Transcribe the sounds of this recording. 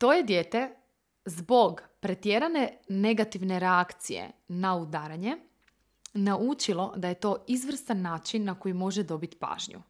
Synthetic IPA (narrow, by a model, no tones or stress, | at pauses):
t̪o̞ːje̞d̪jet̪e̞ | zbo̞ɡpɾe̞t̪jeɾane̞ne̞ɡat̪iʋne̞ɾeakt̪sijḛnaud̪aːɾaɲe̞ | naʔut͡ʃilˠo̞d̪aje̞t̪o̞ːizʋr̩st̪anːaːt͡ʃinːako̞jimo̞ʒed̪o̞bit̪i̥pa̰ːʒɲṵ